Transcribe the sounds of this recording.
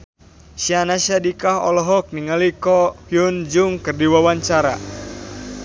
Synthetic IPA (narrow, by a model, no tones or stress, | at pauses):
ʃianaʃadikaɦɔ̰lɔɦɔk̚niŋalikɔhjund͡ʒuŋkɨrdiwawaɲt͡ʃaɾa̰